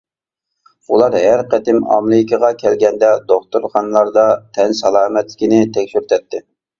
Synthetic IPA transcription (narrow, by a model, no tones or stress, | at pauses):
ulˠɑɾɦæɾqæt̪ɪmɑ̰mlɪkʲʰəʁɑkʲʰɛlɡʲɛnd̪ɛd̪oχt̪uɾχɑnlˠɑɾd̪ɑt̪ʰɛnsɑlˠɑːmɛt̪lɪkʲinɪt̪ʰɛkʲʃyɾt̪ʰɛt̪ʰːɪ